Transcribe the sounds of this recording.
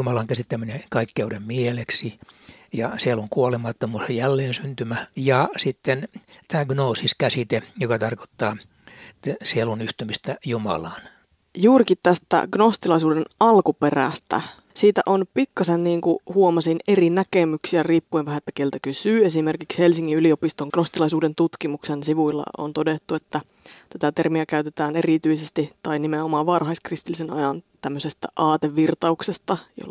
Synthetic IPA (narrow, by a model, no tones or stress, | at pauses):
jumɑlɑŋkæsit̪ːæminekɑikːeudemmieleksijɑsieluŋkuolemɑt̪ːomuːsejjælːeːnsynt̪ymæjɑsit̪ːent̪æːɡnoːsiskæsit̪ejokɑt̪ɑrko̥t̪ːɑː | sielunyht̪ymist̪æjumɑ̰lɑːn | juːrikit̪t̪æst̪æ̰ɡnost̪ilɑisuːdenɑlkuperæ̰st̪æ̰ | siːt̪æ̰ʔonpikːɑsenniːŋkuhuomɑsinerinækemyksiæriːpːueʋʋæhæet̪ːæ̥kelt̪ækysyːesimerkikshelsiŋːiyliopist̪oŋɡ̥nost̪ilɑisuːdent̪ut̪kimuksensiʋuilːɑ̰o̰nt̪odet̪ːuet̪ːæ | t̪æt̪æt̪ermiækæyt̪et̪æːnerit̪yisest̪it̪ɑinimeomɑːʋʋɑrhɑiskrist̪ilːisenɑjɑnt̪æmːøsest̪æ̰ʔɑːt̪eʋːirt̪ɑuksest̪ɑjo̰lː